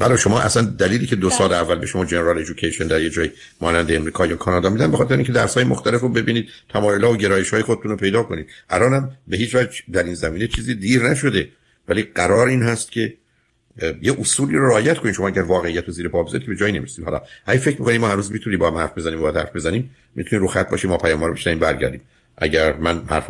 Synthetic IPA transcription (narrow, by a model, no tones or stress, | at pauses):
vælɒʃo̞mɒːʔæ̰sænd̪æliːliːcʰed̪osɒːleævːælbe̞ʃomɒːd͡ʒe̞neɾɒled͡ʒokʰejʃond̪æɾjed͡ʒɒːji | mɒːnænd̪eːmɾiːkʰɒːjɒːkʰɒːnɒːd̪ɒːmiːd̪ænbexɒːt̪eɾʔĩŋːcʰe̞d̪æɾsɒːjemoxt̪ʰælefɾobe̞biːniːd̪̥̚t̪ʰæmɒːjolɒːvoɟe̞ɾɒːjeʃhɒːjexod̪et̪ʰunopʰe̞jd̪ɒːko̞niːd̪ʔælɒːnæmbeɦiːt͡ʃvæd͡ʒd̪æɾinzæmiːne̞t͡ʃʰiːziːd̪iːɾnæʃo̞d̪e̞ | væliːɡæɾɒːɾiːnɦæst̪̚cʰe̞ | jeʔosuːliːɾoɾeːjæt̪̚kʰo̞niːʃoɒːæɟæɾvɒːɣe̞ijæt̪ʰoziːɾepʰɒːbezɒ̰ɾit̪̚ʰeed͡ʒɒːjine̞miɾsiːmhɒ̰lɒ̰ʔæɟæfe̞cɾmikoniːmɒːhænuːzmit̪ʰunimbɒːhæmhæ̰ɾfbe̞zæniːmbɒːjæd̪hæ̰ɾfbe̞zæniːm | mit̪ʰuniɾoxæt̪̚bɒ̰ːʃiːmɒːpʰæjɒːmhɒːɾobe̞ʃnævimbæɾɟæ̰ɾd̪iːm | ʔæɟæɾmænhæ̰ɾf